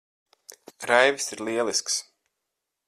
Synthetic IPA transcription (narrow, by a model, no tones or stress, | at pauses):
ɾajvisiɾliɛlˠisks